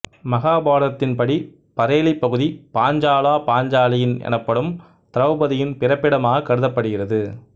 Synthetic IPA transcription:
mɐɣaːbaːɾɐt̪ːɪnpɐɽi | pɐɾeːlipːɐɣɯðipaːɲd͡ʒaːlaːpaːɲd͡ʒaːlɐjɪnɛ̰nɐpːɐɽɯm | t̪ɪɾɐʋɯbɐðɪjɪnpɪɾɐpːɪɽɐmaːɣɐkːɐɽɯðɐpːɐɽɯɣɪrɐðɯ

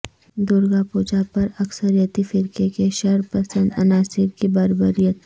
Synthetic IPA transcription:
d̪ʊɾɡapuːd͡ʒapɐɾɐksəɾijət̪ifɪɾkekeʃɐɾpɐsə̃nd̪ɐ̰naːsɪɾkibaːɾbəɾijət̪

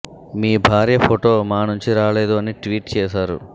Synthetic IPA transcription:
miːbʱaːɾjɐpʰoʈo̞ːmaːnuɲt͡ʃiɾaːleːd̪uɐniʈʋiːʈt͡ʃɛːʃaːɾṵ

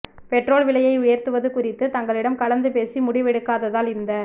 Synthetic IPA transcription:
pɛʈroːlʋɪɭɐjɐɪʊjɐɾt̪ɯʋɐðɯkʊrɪt̪ːɯt̪ɐŋɡɐɭɪɽɐmkɐɭɐnd̪ɯpeːsimʊɽɪʋɛɽɯkːaːðɐðaːlɪnd̪ɐ

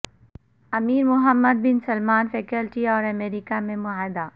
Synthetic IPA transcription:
ɐmiːɾmʊɦəmːəd̪̚bɪnsɐlmaːnfeːkɐlʈiɔːɾɐmeːɾikamẽmʊaːɦɪd̪a

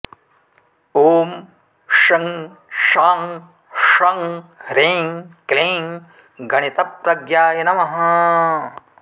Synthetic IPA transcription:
oːm | ʂɐŋ | ʃaːŋ | ʂɐŋɾeːŋkleːŋ | ɡɐɳit̪ɐpɾɐɡjaːjɐnɐmɐɦɐ

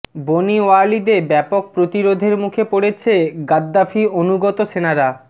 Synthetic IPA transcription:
bonioalid̪ebɛpok̚pɾot̪iɾod̪ʱeɾmukʰepoɽet͡ɕʰeɡad̪ːafionuɡɔt̪oʃenaɾa

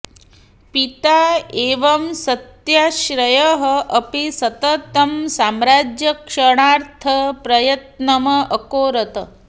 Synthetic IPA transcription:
pit̪aeːʋɐmsɐt̪jaʃɾɐjɐɦɐ̆ʔɐpisɐt̪ɐt̪ɐmsaːmɾaːd͡ʒjɐkʂɐɽ̃aːɾt̪ʰɐpɾɐjɐt̪nɐmɐɐkoːɾɐt̪ɐ

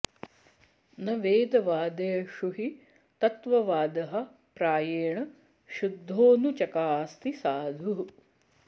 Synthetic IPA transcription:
nɐʋeːd̪ɐʋaːd̪ɐjɐʃuɦi | t̪ɐt̪ʋɐʋaːd̪ɐɦɐ̆ | pɾaːjeːɳɐ | ʃud̪ʱːoːnut͡ʃɐkaːst̪isaːd̪ʱuɦ

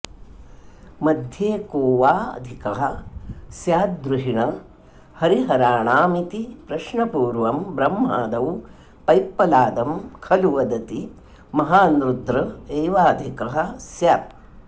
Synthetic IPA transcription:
mɐd̪ʱjeːkoːʋaːɐ̰d̪ʱikɐɦɐ̆sjaːt̪̚d̪ɾuɦiɳɐ | hɐɾiɦɐɾaːɳaːmit̪ipɾɐʃɳɐpuːɾʋɐmbɾɐmːa̰ːd̪ɐw | pɐjpːɐlaːd̪ɐmkʰɐluʋɐd̪ɐt̪i | mɐɦaːnɾud̪ɾɐeːʋaːd̪ʱikɐɦɐ̆sjaːt̪̚

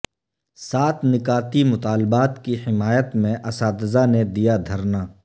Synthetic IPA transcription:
saːt̪ʰnɪkaːt̪imʊt̪aːlbaːt̪kihɪmaːjət̪mẽʔɐsaːd̪zaned̪ijad̪ʱɐɾnaː

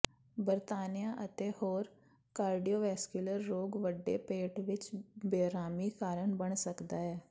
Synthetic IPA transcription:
bəɾt̪aːnijaʔət̪ehoːɾ | kaːɾɖijoːʋɛːskʊləɾːoːɡʋəɖːḛpeːʈʋɪt͡ʃbeːɾaːmikaːɾəɳbəɳsəkd̪aːɦɛː

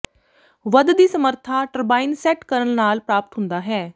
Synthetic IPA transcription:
ʋəd̪d̪iːsəməɾt̪ʰaːʈəɾbaːiːnsɛːʈkəɾənnaːlpɾaːpət̪ɦʊnd̪aːɦɛː

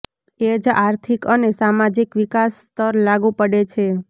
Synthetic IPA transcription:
ed͡ʒaɾt̪ʰikənesamad͡ʒikʋikasːt̪əɾlaɡũpəɽet͡ʃʰe

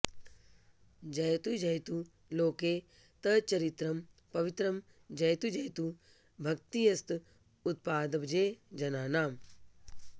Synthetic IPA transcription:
d͡ʒɐjt̪ud͡ʒɐjt̪u | loːkeː | t̪ɐt͡ʃɐɾit̪ɾɐm | pɐʋit̪ɾɐm | d͡ʒɐjt̪ud͡ʒɐjt̪u | bʱɐk̚t̪ijɐst̪ | ut̪̚paːd̪ɐbd͡ʒeːd͡ʒɐnaːnaːm

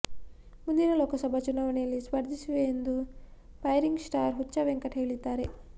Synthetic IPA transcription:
mund̪iɾɐloːkɐsɐbʱɐt͡ʃunaːʋɐɳɛjɐlːispɐɾd̪ʱisuʋeːnd̪u | pɐjɾiŋɡsʈaːɾɦuːt͡ʃaʋeŋkɐʈɦe̞ːɭid̪ːaːɾe̞

